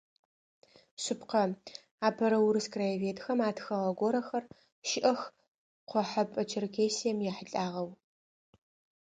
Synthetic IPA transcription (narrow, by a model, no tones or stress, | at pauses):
ɕɪpʰqɐ | aːpʰɐɾɐwʊɾɨskraveːtʰxɐmaːtxɐʁɐɡʷɔɾɐxɐr | ʃɪʔɐx | qʷɔħapʼɐt͡ʃʰɪrkʰʲeːsijɛmjɛħəɬʼaːʁɐw